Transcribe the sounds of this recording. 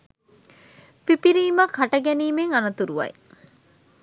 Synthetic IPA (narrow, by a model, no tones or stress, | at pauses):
pipiɾiːmɐkʰɐʈɐɡɛniːmeŋɐnɐt̪uɾuʋɐ̰j